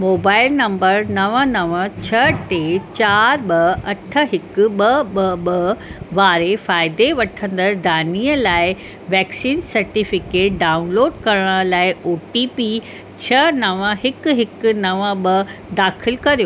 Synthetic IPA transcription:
moːbaːɪlnɐ̃mbəɾnɐʋənɐʋət͡ɕʰɐʈeːt͡ɕaːɾɓɐɐʈʰə̆ɦɪkʊɓɐɓɐɓɐʋaːɾefaːɪd̪eʋɐʈʰə̃nd̪əɾd̪ʱaːniːəlaːɪ | ʋɛːksiːnsɐɾʈifɪkeːʈ̚ɖaːʊnloːɖkɐɾəɽ̃əlaːɪʔoːʈipi | t͡ɕʰɐnɐʋə̃ɦɪkɦɪknɐʋəɓɐd̪aːxɪlkɐɾijo

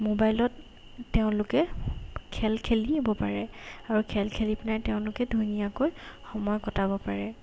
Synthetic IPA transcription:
mobajlɔtː | eʊ̃lʊkɛkʰɛlkʰelibɔpaɹɛaɹukʰɛlkʰelipinaɹteʊ̃lʊkɛdʱujnijakojxɔmɔjkɔtabɔpaɹɛ

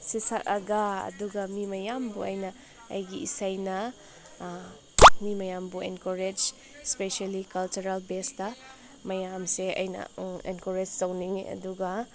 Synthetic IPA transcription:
sisak̚ɐɡɐɐ̰duɡɐmimɐjambṵɐjnɐ | ɐ̰jɡiisajnɐ | mimɐjambuenkoɾed͡ʒ | speʃalikɐlt͡ʃuɾalbestɐ | mɐjamseɐ̰jnɐ̰ḛnkoɾed͡ʒsawniŋɐ̰duɡɐ

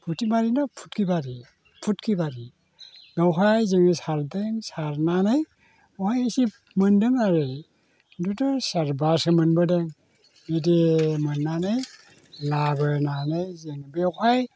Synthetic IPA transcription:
pʰutimaɾinɔpʰu̥tkʰibaɾi | pʰutkʰibaɾi | ɡawɦajzɯŋisaɾdɯŋsaɾnanɯj | ɔhajsip | mɯndɯŋaɾɯj | dudɔsaɾbasɯmɯnbɯdɯŋ | midemɯnːanaj | labɯnanajzɯŋbewhaj

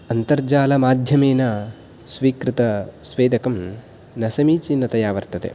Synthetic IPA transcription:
ɐnt̪ɐɾd͡ʒaːlɐmaːd̪ʱjɐmeːnɐ | sʋiːkɾɪt̪ɐsʋeːd̪ɐkɐm | nɐsɐmiːt͡ʃinːɐt̪ɐjaːʋɐɾt̪ɐt̪ḛ

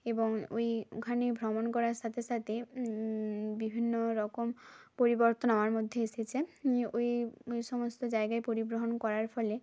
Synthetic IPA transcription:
ebɔŋo̰jkʰanebʱɾɔmonkɔɾaɾsat̪ʰesat̪ʰe | bibʱinːoɾɔkompoɾibɔɾt̪ɔnaoaɾmod̪ʱːjeeset͡ɕʰeojojsɔmost̪ɔd͡ʑaeɡaepoɾibɾoɦonkɔɾaɾpʰɔle

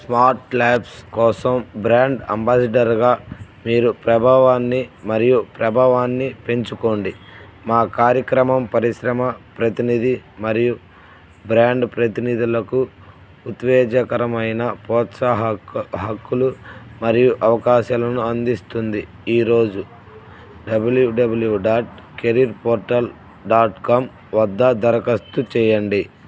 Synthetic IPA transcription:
smaːɾʈlaːpskɔːsɐmbɾaːɳɖɐ̰mbaːsɐɖɐɾɡaːmiːɾupɾɐbʱaːʋaːnːimɐɾijupɾɐbʱaːʋaːnːipe̞ɲt͡ʃuko̞ːɳɖimaːkaːɾjɐkɾɐmɐmpɐɾiʃɾɐmɐpɾɐt̪inid̪imɐɾiju | bɾaːɳɖpɾɐt̪inid̪ulɐkuː | t̪ʋɛːd͡ʒɐkɐɾɐmɐjnɐpɔːt̪sɐɦɦɐkːulumɐɾijuʔɐʋɐkaːʃaːlɐnuɐnd̪ist̪und̪i | iːɾo̞ːd͡ʒu | ɖɐbuljuɖɐbuljuɖaːʈ | keɾiɾpoːɾʈɐl | ɖaːʈkam | ʋɐd̪ːɐd̪ɐɾɐkɐst̪ut͡ʃɛːjɐɳɖi

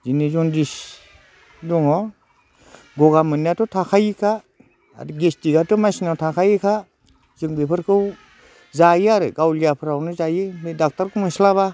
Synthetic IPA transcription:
zinezɔndis | dɔŋɔ | ɡɔɡamɯniatɔtʰakʰajikʰa | a̰ɾɯɡestiɡatɔmasinawtʰakʰajikʰa | zɯŋbepʰɯɾkʰɯw | zajiaɾɯɡawlijapʰɯɾawnɯzajɯmedak̚taɾkʰumɯslaβa

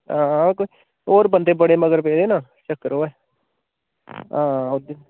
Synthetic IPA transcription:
ãːkoi | oːɾbənd̪eːbəɽeːməɡəɾpeːd̪eːnaːt͡ʃəkːəɾoːɛː | ãːod̪e

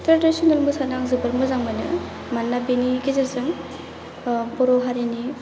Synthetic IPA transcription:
tɾadisɔnɔlmɯsanaŋzɯbɯɾmɯzaŋmanɯ̰ | manːabiniɡezasɯŋ | bɔɾɔɦaɾini

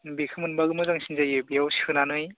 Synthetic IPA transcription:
bikʰɯmɯnbaɡɯmɯzaŋsʰinzajebijawsihɯnanɯj

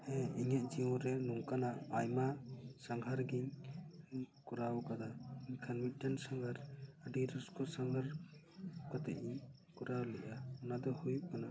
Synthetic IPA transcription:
ɛiɲɛʔ̚d͡ʒiɔ̃ɾɛnɔŋkanaajmasaŋɡʱaɾɡiɲ | kɔɾawkad̪aiɲkʰanmit̪̚ˀʈansaŋɡʱaɾəɖiɾɔskɔsaŋɡʱaɾ | kat̪ɛ̰ʔiɲ | kɔɾawlɛʔaɔnad̪ɔhujuʔ̚kana

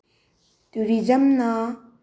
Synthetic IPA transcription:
t̪uɾid͡ʒɐmna

